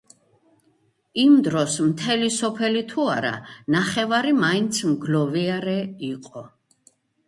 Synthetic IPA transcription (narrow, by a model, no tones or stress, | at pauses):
imd̪ɾɔsmt̪ʰɛlisɔpʰɛlit̪ʰuaɾa̰naχɛvaɾimaint̪sʰmɡlɔviaɾɛiqʼɔ